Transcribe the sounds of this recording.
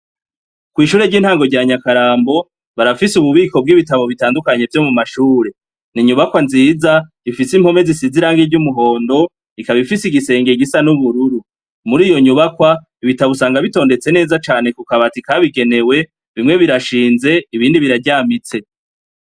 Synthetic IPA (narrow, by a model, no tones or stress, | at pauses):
kwiːʃuːɾe̞ɟiːnhaːŋɡo̞ɾɟaːɲakaɾaːmbo̞ | βaɾafisuβuβiːko̞b̚ɡiːβitaβo̞βitaːndukaɲe̞vjo̞mumaʃuːɾe̞ | niɲuβakwanziːza | ifisim̥ho̞me̞zisiziɾaːŋɡeɟumuɦo̞ːndo̞ | ikaβifisiɡise̞ːŋɡeɡisanuβuɾuɾu | muɾiːjo̞ɲuβakwa | iβitaβosaːŋɡaβito̞ːnde̞t͡se̞ne̞ːzat͡ʃaːne̞kukaβatikaβiɡe̞ne̞we̞ | βimŋe̞βiɾaʃiːnze̞iβiːndiβiɾaɟaːmit͡se̞